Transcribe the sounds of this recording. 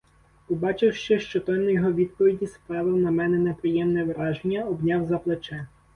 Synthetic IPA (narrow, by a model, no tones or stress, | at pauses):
ɔbɑt͡ʃɪwʃt͡ʃɛʃt͡ʃɔt̪ɔnɔjɔɦɔʋʲid̪̚pɔʋʲidʲispɾɑʋɪwnɐmɛnɛnepɾɪjɛmnɛʋɾɑʒenʲːɐɔbnʲɑwzɐplˠet͡ʃɛ